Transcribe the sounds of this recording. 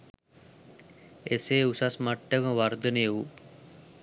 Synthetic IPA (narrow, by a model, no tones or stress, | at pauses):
eseːusasmaʈːəkə̃ʋaɾd̪əneːʋu